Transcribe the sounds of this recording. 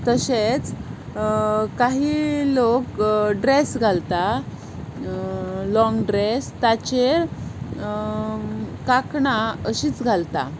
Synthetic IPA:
t̪əɕet͡s | kaɦiːlokɖɾesɡʱalt̪a | lɔ̃ŋɡɖɾest̪at͡ɕeɾ | kakɳaəɕiːt͡sɡʱalt̪a̰

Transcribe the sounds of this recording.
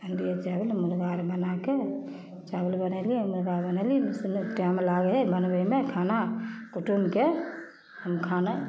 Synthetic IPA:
ənd̪ijet͡ʃabəlmulɡaɾbənake | t͡ʃabəlbənaliemulɡaɾbənalisnʈamlaɡəɦebənbəimekʰaːnakuʈumke | həmkʰana

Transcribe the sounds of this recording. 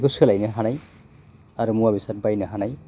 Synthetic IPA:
ɡuskʰɛlajnaɦanaj | aɾumuwabisat̚bajnaɦanaj

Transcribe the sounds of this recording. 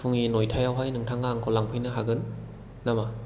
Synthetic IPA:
uŋinojtʰajawɦajnɯŋtʰaŋaŋkʰɔlaŋpʰɯjnɯɦaɡɯnː | ama

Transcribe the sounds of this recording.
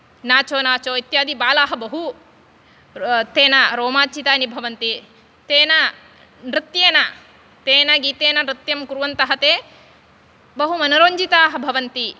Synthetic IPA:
naːt͡ʃoːnaːt͡ʃoːit̪jaːd̪ibaːlaːɦɐbɐɦu | t̪eːnɐɾoːmaːt͡ʃit̪aːnibʱɐʋɐnt̪i | t̪eːnɐ | nɾɨt̪jeːnɐ | t̪eːnɐɡiːt̪eːnɐnɾɪt̪jɐmkuɾuʋɐnt̪ɐɦɐt̪eː | bɐɦumɐnɐɾoːɲd͡ʒit̪aːɦɐ̆bʱɐʋɐnt̪i

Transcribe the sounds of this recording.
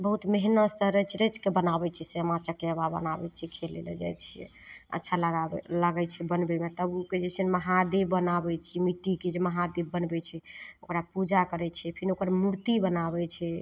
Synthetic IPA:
bəɦut̪meɦnəsəɾət͡ʃʰɾet͡ʃkebənabɛt͡ʃʰɛseəmat͡ʃəkjababə̰nabɛ̰t͡ʃʰɛkʰelḛlə̰d͡ʒa̰jt͡ʃʰ | ə̰tːʃʰaləɡalaɡɛt͡ʃʰɛbənbɛmet̪əbuked͡ʒɛt͡ʃʰənməɦad̪ebːənabɛt͡ʃʰimiʈːiked͡ʒeməɦad̪ebːənbɛt͡ʃʰɛokɾapud͡ʒakəɾɛt͡ʃʰɛpʰinokəɾmuɾt̪ibənabɛt͡ʃʰɛ

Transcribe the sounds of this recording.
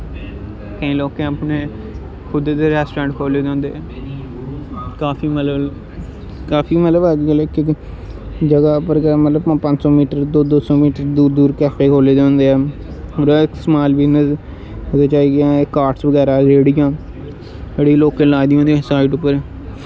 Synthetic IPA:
kəĩːloːkẽapneː | kʰʊd̪eːd̪eɾɛːsʈːɾɛ̃ːɳʈkʰoːleːd͡ʒãːnd̪eɛː | kaːfiːmələb | kaːfiːmət̪ləbaːd͡ʒɡəlɛkɪ | d͡ʒəɡaːpəɾɡəmət̪ləbãpə̃ɲd͡ʒsɔ̃ːmiːʈəɾd̪oːd̪oːsɔːmiːʈəɾd̪uːd̪uːɾkɛːpʰeːkʰoːleːd͡ʒãːnd̪eːɛːoɾaɪksmaːlbɪnəs | əd̪eːt͡ʃaːiːɡãkaːʈsʋəɡɛːɾaːd͡ʒeːɽɪjãː | eɽiloːkẽːlaːd̪iːɦõːnd̪̃ːsaːɪɖʊpːəɾ

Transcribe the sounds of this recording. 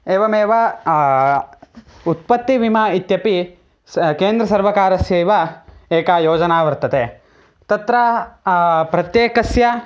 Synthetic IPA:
eːʋɐmeːʋɐ | ut̪̚pɐt̪ːiʋimait̪jɐpi | keːnd̪ɾɐsɐɾʋɐkaːɾɐsjɐiʋɐeːkaːjoːd͡ʒɐnaːʋɐɾt̪ɐt̪e | t̪ɐt̪ɾɐ | pɾɐt̪jeːkɐsjɐ

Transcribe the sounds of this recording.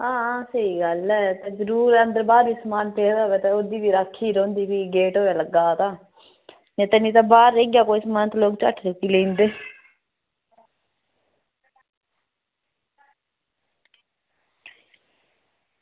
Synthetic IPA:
ɦãːsəiːɡəlɛːt̪eːzəɾuːɾɛənd̪əɾbaːɾbiːsəmaːnpeːd̪aoːʋɛːt̪eoːd̪iːbiːɾakʰːiːɾõːnd̪iːbiːɡeːʈoːʋɛləɡaːt̪aː | nẽːt̪ənĩːt̪ãːbaːɾːeːɡjaːkoːiːsəmaːnət̪loːkt͡ʃə̰ʈʰɾəkːiːleĩːnd̪eː

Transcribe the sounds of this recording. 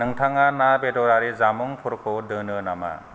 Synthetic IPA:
nɯŋtʰaŋanabedɔɾaɾizamɔŋpʰuɾkʰɔdɯnɯnama̰

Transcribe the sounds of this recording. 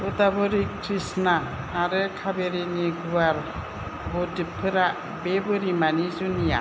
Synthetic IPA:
udabɯɾikʰɾisnaː | ɾɯkʰabeɾiniɡuaɾ | bɔdɯpʰɯɾa | bebɯɾimanizunija̰

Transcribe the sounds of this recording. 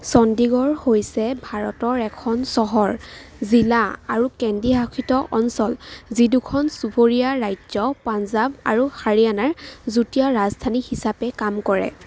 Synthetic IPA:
sɔndiɡɔɹhojsɛbʱaɹɔtɔɹɛkʰɔnsɔɦɔɹzilaaɹukɛndiɦakʰitɔʔɔnsɔlzidukʰɔnsupoɹijaɹajzɔpanzaba̰ɹuhaɹijanaɹzutijaɹazdʱanihisapɛkamkɔɹɛ̰

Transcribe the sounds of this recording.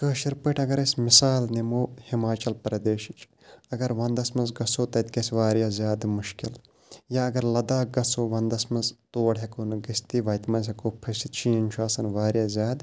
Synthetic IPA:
kəːʃiɾpɐʈʰɐɡɐɾɐsʲmɪsaːlnemoːhimaːt͡ʃɐlpɐɾɐd̪eːʃit͡ʃ | ɐɡɐɾʋɐnd̪ɐsmɐnzɡɐsoːt̪ɐt̪kɐsʋaːɾjaːzʲjaːd̪mʊʃkɪl | jaːɐɡɐɾlɐd̪aːɡɐsoːʋɐnd̪ɐsmɐzt̪oːɐɽɦekonɨɡɐst̪iʋɐjt̪mɐnsʲɐkoːpʰɐsit̪t͡ʃʰiːɐnʲt͡ʃʰuaːsɐnʋaːɾjaːzʲjaːd̪

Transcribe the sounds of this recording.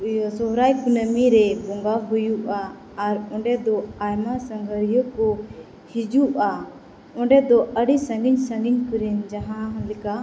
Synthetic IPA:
sɔɦɾajkunəmiɾɛbɔŋɡaɦujuʔaː | ɾɔ̃ɳɖɛd̪ɔajmasəŋɡʱəɾijɔkɔ | hid͡ʒuʔa | ɔ̃ɳɖɛd̪ɔʔəɽisəŋɡiɲsəŋɡiɲkuɾɛnd͡ʒaɦãɦɔ̃lɛka

